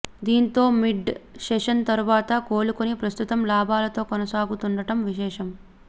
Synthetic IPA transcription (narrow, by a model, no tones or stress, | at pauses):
d̪iːnit̪oːmiɖʃeːʃɐnt̪ɐɾuʋaːt̪ɐkoːlukunipɾɐst̪ut̪ɐmlaːbʱaːlɐt̪oːkɐnɐsaːɡut̪uɳɖɐʈɐmʋiʃɛːʃɐm